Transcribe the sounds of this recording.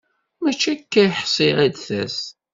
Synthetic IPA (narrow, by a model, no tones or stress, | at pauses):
mæt͡ʃːækːæjħsˤɪʁid̪θæ̰s